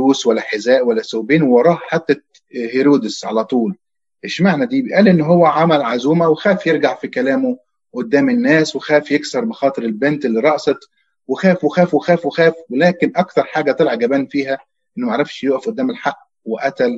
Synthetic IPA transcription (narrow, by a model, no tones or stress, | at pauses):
uːswælːæħezæːʔwælːæsobiːnwewɑɾˤɑːhħat̪ːæ | heɾuːd̪esʕalæt̪ˤuːl | ʔeʃmaʕnæd̪iːbeʔæːlʔenːɦowːæʕamælʕazuːmæwexæːfjeɾɡaʕfikælæːmo | ʔod̪ːæːmɪnːæːswexæːfjeksɑɾˤbexɑːt̪ˤɨɾelbent̪elːiːɾˤɑʔsɑt̪ | wexæːfwexæːfwexæːfwexæːfwelæːkenʔɑkt̪ɑɾˤħaːɡæt̪ˤelʕɑɡæbæːnfiːɦæ | ʔenːmæʕaɾˤɑfʃjoːʔæfʔod̪ːæːmelħaʔː | weʔæt̪æl